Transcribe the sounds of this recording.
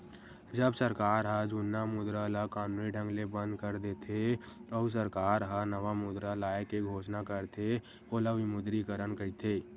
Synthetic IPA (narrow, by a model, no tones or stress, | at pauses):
d͡ʒəbsəɾkaːɾɦəd͡ʒunːamʊd̪ɾalakaːnuːniɖʱə̃ŋɡlebə̃nd̪kəɾd̪eːt̪ʰe | ɔːus̬əɾkaːɾɦənəʋamʊd̪ɾalaːekeɡʱoːʃnakəɾt̪ʰe | oːlaʋimʊd̪ɾikəɾənkəit̪ʰeː